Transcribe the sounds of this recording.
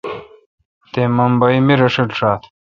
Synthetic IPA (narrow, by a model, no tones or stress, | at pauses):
t̪eːmɐmbɐimiɾɐʂiʈʂaːt̪